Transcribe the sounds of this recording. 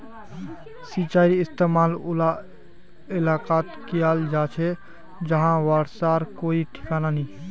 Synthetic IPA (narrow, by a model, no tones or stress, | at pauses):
sit͡ʃaːɪɾiɪst̪eːmaːlʊla | ɪlaːkaːt̪kijald͡ʒat͡ʃʰɛ | d͡ʒəɦãʋaɽsaːɾkoːiʈʰɪ̥kananĩ